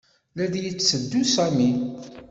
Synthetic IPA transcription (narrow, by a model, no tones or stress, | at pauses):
læd̪jət͡sːəd̪ːusæmi